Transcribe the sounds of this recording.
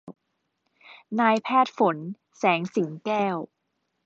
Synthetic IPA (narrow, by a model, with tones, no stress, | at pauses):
naː˧jpʰɛː˥˩t̪̚fo˩˦n | sɛː˩˦ŋsi˩˦ŋkɛː˥˩w